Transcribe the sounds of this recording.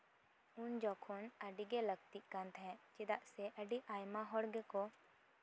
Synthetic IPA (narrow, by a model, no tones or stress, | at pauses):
und͡ʒɔkʰɔnəɖiɡɛləɡ̚t̪iʔkãnt̪ʰɦɛ̃t͡ʃid̪aʔsɛʔəɖiʔajmaɦɔɽɡɛkɔ